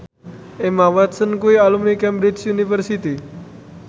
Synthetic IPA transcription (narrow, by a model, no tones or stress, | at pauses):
emawat̪sənkuialumnikɛ̃mbɾid͡ʒjunifəɾsit̪i